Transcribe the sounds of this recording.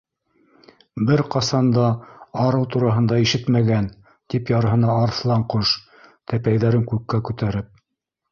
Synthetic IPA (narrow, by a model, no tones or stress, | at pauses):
bɘɾqɑsɑnd̪ɑɑɾɤwt̪uɾɑɦɤ̆nd̪ɑiʃɘt̪mæɡæn | t̪ipjɑɾɤɦɤ̆nɑːɾθlˠɑɴqoʃ | t̪æpæjðæɾɘŋkʉkːækʉt̪æɾɘp̚